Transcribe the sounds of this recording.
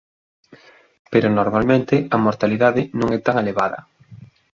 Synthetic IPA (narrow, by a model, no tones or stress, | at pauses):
peɾʊnoɾmalmẽnt̪ɪɐmoɾt̪aliðaðɪnõŋɛt̪aŋeleβaðɐ̰